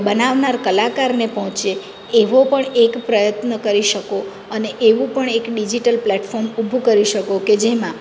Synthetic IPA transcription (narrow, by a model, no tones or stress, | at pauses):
bənaʋnaɾkəlakaɾnepəɦɔ̃t͡ʃeː | ʋopəɳekpɾəjət̪nəkəɾiʃəko | əneʔeʋũpəɳekɖid͡ʒiʈəlplɛʈfɔɾmubʱukəɾiʃəkoked͡ʒemã